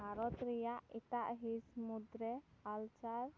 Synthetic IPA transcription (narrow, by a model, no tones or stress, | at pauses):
aɾɔt̪ɾɛjaʔit̪aʔɦismud̪ɾɛalt͡ʃaɾ